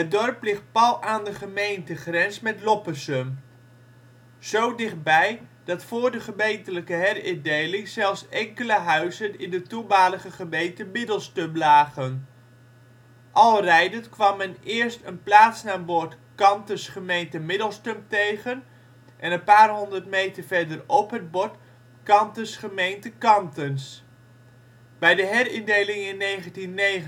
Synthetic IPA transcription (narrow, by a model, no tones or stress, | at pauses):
ədɔrplɪχt̚pɑlˠaːndəχəmejntəχrɛnsmɛtlɔpəsəm | z̥owdɪχd̚bɛjd̥ɑtfʊːɹdəχəmejntələkəɦɛrɪdejlɪŋzɛlˠfsɛŋkələɦœɥzənɪndətubaːləχəχəmejntəmɪdəlˠstømlaːχən | ʔɑlˠrɛjdətkʋɑmːɛnɪːɹstənplaːtsnaːnbʊɹtkɑntəsχəmejntəmɪdəlˠstɵmtejχən | ʔɛnənpaːrɦɔndərtmejtəɹvɛɹdərɔpɦəd̚bɔt | kɑntəsχəmejntəkɑntəns | b̥ɛjdəɦɛɾɪndejlɪŋɪnːejχəntinːejχ